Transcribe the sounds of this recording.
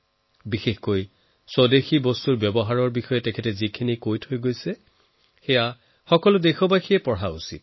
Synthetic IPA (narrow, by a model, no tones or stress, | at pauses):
bixexkoj | sɔdexibɔstuɹbjɔbɔɦaɹɔɹbixɔjɛtɛkʰɛtɛzikʰinikojtʰojɡojsɛ | xɛja | xɔkɔlʊdexɔbaxʰiɛpɔɹɦaṵsḭt̚